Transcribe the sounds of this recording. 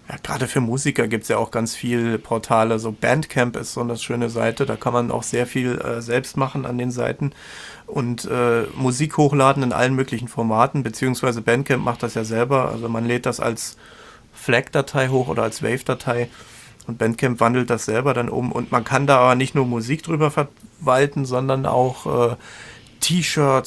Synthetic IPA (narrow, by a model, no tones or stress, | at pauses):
jaːɡ̥ʁa̰ːdəfyːɐmuːzikɐɡiːp̚tsjaːaʊxɡ̥ant͡sfiːlpʰɔɐtʰaːləzoːbɛntkʰɛmpɪ̰stz̥ɔndɐsʃøːnəza̰ɪtədaːkʰanmanʔa̰ʊxz̥eːɐfiːlɛ̰ːzɛlpstmaχn̩a̰ndeːnza̰ɪtn̩ | ʔʊntʔɛːmuziːkhoːxlaːdn̩ɪnʔa̰lənmøːklɪçn̩fɔɐmaːtn̩bət͡siːʊŋsv̥aɪzəbɛntkʰɛmpmʔaχt̚d̥asjaːzɛlbɐʔa̰lzomanleːt̚d̥asa̰ls | flɛkd̥atʰaɪɦoːxʔo̰ːɾɐalsv̥ɛ̰ɪfd̥atʰaɪ | ʔʊnt̚b̥ɛntkʰɛmpv̥andl̩t̚d̥asz̥ɛlbɐɾanʔʊ̰bm̩ʔʊ̰ntmankʰandaːʔaːbɐnɪçtnuːɐmuziːk̚d̥ʁyːbɐfɛɐvaltn̩zɔndɐnʔa̰ʊxʔɛː | tʰiːʃœɐt